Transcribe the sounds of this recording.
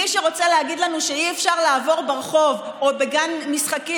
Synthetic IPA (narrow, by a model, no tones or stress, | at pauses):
iʃeʁo̞t͡seleaɡid̪lanuʃeiefʃaʁlaːvo̞ʁbeʁeχo̞v | obeɡanmisχaki